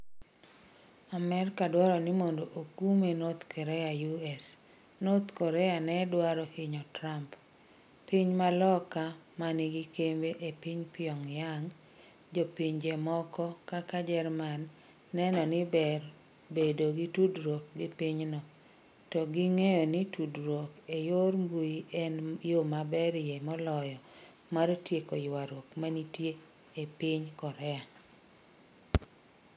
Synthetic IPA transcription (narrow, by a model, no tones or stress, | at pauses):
amɛrkadwaɾɔnɪmondoʔokumenot̪kʰɔɾɛjajuɛs | not̪kɔɾɛjanɛdwaɾɔkɪɲɔtɾamp | piɲmalɔkamanɪɡɪkembeʔepiɲpɪɔŋjaŋ | d͡ʒopiɲd͡ʒemɔkɔkakad͡ʒɛrmanː | ɛnɔnɪbɛr | bedoɡitudɾok̚ɡɪpiɲnɔ | tɔɡɪŋejɔnɪtudɾwokejormbujiʔɛnjomabɛɾjemɔlɔjɔ | maɾtjekojwaɾwokmanitje | epiɲkɔɾɛa